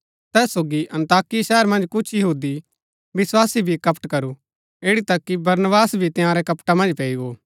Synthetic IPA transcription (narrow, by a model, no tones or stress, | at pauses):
t̪ɛːsːoːɡiʔɐ̃nt̪aːkiʃɛːəɾmɐ̃nd͡ʒkʊt͡ʃʰjɐɦuːd̪i | ʋɪswaːsibʱikɐpʈkɐɾu | eːɽit̪ɐkːibɐɾnəbaːsbʱit̪ɪjãːɾɛkɐpʈamɐ̃nd͡ʒpɛːiɡoː